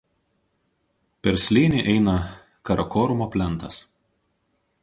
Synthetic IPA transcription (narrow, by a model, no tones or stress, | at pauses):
pʲɛɾsʲlʲeːnʲeʔɛɪnɐ | kɐɾɐkɔːɾʊmoːpʲlʲɛnˑt̪ɐs